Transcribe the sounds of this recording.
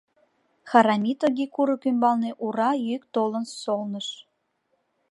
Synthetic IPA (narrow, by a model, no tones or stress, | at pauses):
xɑɾɑmʲit̪oɡikuɾəkymbɑlneʔuɾɑjyk̚t̪olənsolnəʃ